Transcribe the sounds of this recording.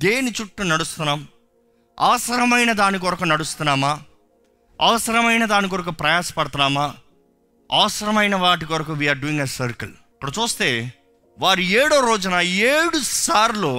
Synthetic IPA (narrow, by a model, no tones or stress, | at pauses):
d̪eːnit͡ʃuʈːunɐɽust̪unːaːm | ɐ̰ːɐsɐɾɐmɐjnɐd̪aːnikɔɾɐkɐnɐɽust̪unːaːmaː | ɐ̰ʋɐsɐɾɐmɐjnɐd̪aːnik̬ɔɾɐkupɾɐjaːsɐ̥pɐɽɐt̪ɐnaːmaː | ɐ̰ʋɐsɐɾɐmɐjnɐʋaːʈ̬ikɔɾɐkɐʋiːaːɾɖuiŋɡɐsɐɾkɐ̰l | ɐkːɐɽɐt͡ʃuːst̪e̞ː | ʋaːɾueːɽoːɾoːd͡ʒɐnɐeːɽusaːɾloː